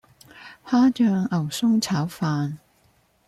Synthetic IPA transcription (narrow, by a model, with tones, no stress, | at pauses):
haː˥t͡ʃœː˧ŋɐ˨˩wsʊ˥ŋt͡sʰaː˨˥wfaː˧n